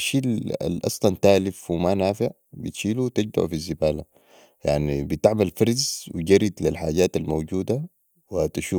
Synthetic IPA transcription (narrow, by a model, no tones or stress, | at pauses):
ʃiːla̰lʔɑ̰sˤlɑnt̪aːlifwimanaːfɪʕ | bit̪ʃiːlut̪iɟd̪a̰ʕfizːibaːla | ja̰ʕnibit̪aʕmalfɑɾˤzwḭɟɑɾid̪lilħaːɟaːt̪almowɟuːd̪a | wiat̪ʃuː